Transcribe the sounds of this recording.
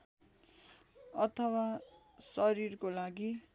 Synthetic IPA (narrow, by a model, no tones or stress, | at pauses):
ʌt̪ʰʌwa | sʌɾirkolaɡi